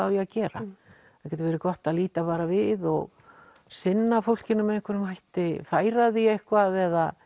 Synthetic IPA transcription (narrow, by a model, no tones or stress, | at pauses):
awjiacɛːɾa̰ | ḁcɛt̪ɪvɛːɾɪkɔht̪aðliːt̪afaːɾavɪðɔɣ | sɪnːafowl̥cɪnːʏmːɛðɪŋkʰvɛɾnʏmhajht̪ɪfaːjɾaðiehkvaðɛða̰